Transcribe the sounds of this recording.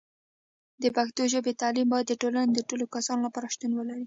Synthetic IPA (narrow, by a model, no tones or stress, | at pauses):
d̪əpaxt̪joʒəbet̪ɑlimbɑjad̪ːəʈolaned̪əʈolokasɑnolapɑɾaʃt̪unwəlaɾi